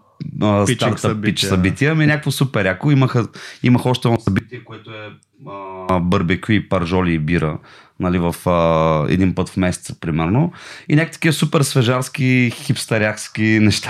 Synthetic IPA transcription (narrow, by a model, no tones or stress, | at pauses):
əst̪aɾt̪pːit͡ʃsɐbit̪iəminʲakəkvosupɛɾakoiməxəiməxəɔʃt̪ɛsɐbit̪iɛkoɛt̪oɛ | bəɾbɛkipɐɾʒɔliːbiɾə | nɐlivɐfəɛ̰d̪inpɤt̪fmɛsɛ̥t̪sə̥pɾimɛɾnoinʲakə̥t̪ə̥kʲiəsupɛɾsvɛʒaɾskixipst̪ɐɾʲakskinɛʃt̪a